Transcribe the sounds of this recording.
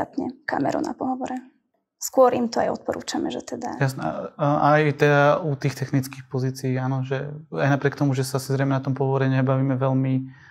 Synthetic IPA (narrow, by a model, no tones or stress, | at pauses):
at̪ɲɛ̰ka̰mɛ̰ɾṵna̰pɔɦɔʋɔɾɛ | skʊɔɾimt̪ɔa̰jɔ̰t̪̚pɔɾṵːt͡ʃamɛʒɛt̪ɛd̪a̰jasnɛajit̪ɛaut̪iːxt̪ɛxnit͡ski̥xpɔziːt͡siiːaːnɔʒɛajnapɾɪɛk̚t̪ɔmuʒɛsaasizɾɛjmɛnat̪ɔmpɔɦɔʋɔɾɛɲabaʋiːmɛʋɛlmi